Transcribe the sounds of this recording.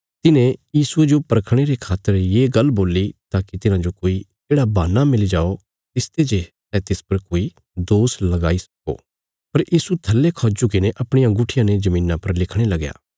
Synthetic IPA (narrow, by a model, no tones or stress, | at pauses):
t̪ɪnẽjiːsued͡ʒopɐɾkʰɽ̃eɾekʰaːt̪ːəɾjeːɡɐlboːlit̪aːkit̪ɪnãd͡ʒokoːi | eːɽabaːnːamɪlid͡ʒaːo | t̪ɪst̪ed͡ʒesɛt̪ɪspɐɾkoːi | d̪oːslɐɡaːisɐ̥ko̰ː | pɐɾjʔiːsut̪ʰɐlːekʰɔːd͡ʒukɪneʔɐpɽ̃ɪjãɡʊʈʰɪjãned͡ʒɐmĩːnːãpɐɾlɪkʰɽ̃elɐɡja̰ː